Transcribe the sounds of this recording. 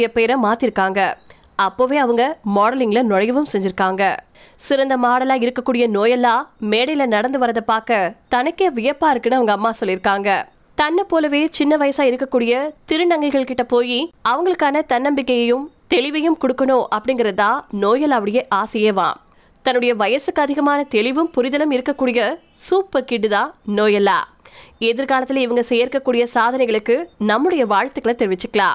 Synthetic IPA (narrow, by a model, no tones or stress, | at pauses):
jɐpeːɾɐmaːt̪ɪɾɯkːaːŋɡɐ | ɐpːoːʋeːɐʋɐŋɡɐmoːɽɐlɪŋɡɪlɐnɔɻɐjɐʋɯmsɛɲd͡ʒɪɾɯkːaːŋɡɐ | sɪɾɐnd̪ɐmaːɽɐlaːɪɾɯkːɐkːuːɽɪjɐnoːjɐlaːmeːɽɐlɐnɐɽɐnd̪ɯʋɐɾɐðɐpːaːɾkɐt̪ɐnɐkːeːʋɪjɐpːaːɪɾɯkːɯnːɯɐʋɐŋɡɐːmːaːsɔlːɪɾɯkːaːŋɡɐ | t̪ɐnːɐpːoːlɐʋeːt͡ʃɪnːɐʋɐjɐsaːɪɾɯkːɐkːuːɽɪjɐt̪ɪɾɯnɐŋɡɪɣɐɭkɪʈːɐpoːjiɐʋɐŋɡɐɭɯkːaːnɐt̪ɐnːɐmbɪkːɐjɐjɯmt̪ɛɭɪʋɐjɯmkɔɽɯkːɐnoːʔɐpːɐɽɪŋɡɪɾɐðãːnoːjɐlaːʋɐɽɐjɐʔaːsɪjeːʋã̰ː | t̪ɐnːɯɽɐjɐʋɐjɐsɯkːɯɐðɪɣɐmaːnɐt̪ɛɭɪʋɯmpʊɾɪðɐlɐmɪɾɯkːɐkːuːɽɪjɐ | suːpːɐɾkɪʈːɯðãːnoːjɐlːa̰ː | ɛðɪɾkaːlɐt̪ːɪlɪʋɐŋɡɐsɛjːɐɾɯkːɐkːuːɽɪjɐsaːðɐnɛɪɣɐɭɯkːɯnɐmːɯɽɐjɐʋaːɻt̪ːɯkːɐɭɐt̪ɛɾɪʋɪt͡ʃːɯkːɐɭa̰ː